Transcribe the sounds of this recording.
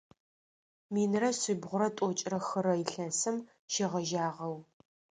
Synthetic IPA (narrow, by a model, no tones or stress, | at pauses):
miːnrɐsɪbʁʷʊɾɐtʷʼɔt͡ʃʼrɐxɨɾɐjɪɬɐsɨm | ʃɪʁɐʒaːʁɐw